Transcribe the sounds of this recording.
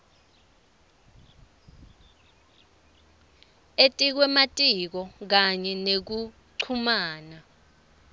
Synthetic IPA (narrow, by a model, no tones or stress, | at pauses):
etʼik̬wɛmatʼik̬ɔk̬aɲɛnek̬u | ǀʰumaːna